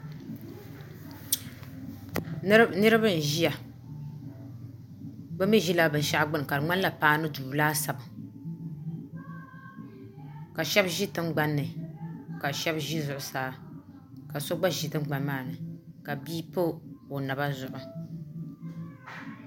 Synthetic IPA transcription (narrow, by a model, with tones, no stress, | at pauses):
nɨ˦ɾɨ˦bɨ˦n˨ʒi˦ja˨ | bɨ˦mi˦ʒi˦la˦bɨ˨n˨ʃa˦ʔɡ͡bɨ˦n˨ka˨ɾɨ˨ŋ͡ma˦n˦la˨paː˦nɨ˦duː˨laː˦sa˨bɨ˨ | ka˨ʃɛ˦bʒi˦tɨ˦ŋɡ͡ba˨nːɨ˨ka˨ʃɛ˦bʒi˦zʊ˨ʔʊ˨saː˦ | ka˨so˦ɡ͡ba˦ʒi˨tɨ˦ŋ͡mɡ͡ba˨nmaː˦˨nɨ˨ka˨biː˦po˦o˨na˨ba˦zʊ˨ʔʊ˨